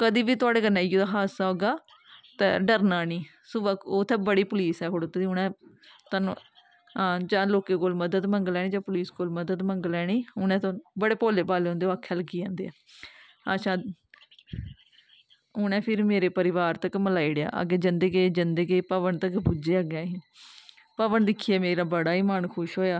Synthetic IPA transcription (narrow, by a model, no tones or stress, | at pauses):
kəd̪iːʋiːt̪ʊaːɽeːɡənːaːijoːd̪aːɦaːsaːoːɡaː | t̪ɛ̰ːɖəɾnaːniː | sʊʋəkoːt̪ʰɛːbəɽiːpʊliːsɛːkʰoɽoːt̪eːd̪iːʊnɛ̃ː | t̪an̰ | ãːd͡ʒãːloːkeːkoːlməd̪əd̪məŋɡəlɛːɽ̃iːd͡ʒãːpʊliːskoːlməd̪əd̪məŋɡəlɛːɽiːʊnɛ̃ːt̪ːbəɽeːpoːleːpaːleːɦõnd̪eoakʰɛːləɡiːãːnd̪eːɛː | ət͡ʃʰãː | ʊnɛ̃ːpʰɪɾmeːɾeːpəɾɪʋaːɾt̪əkməlaːiɽeja̰ːʔə̰ɡeːd͡ʒənd̪ekeːd͡ʒənd̪ekepəʋəɳt̪əkbud͡ʒeːəɡjaːɦiː | pəʋəɳd̪ɪkʰːiːɛːmeːɾaːbəɽaːiːmaːnkʰʊʃɦoːjaː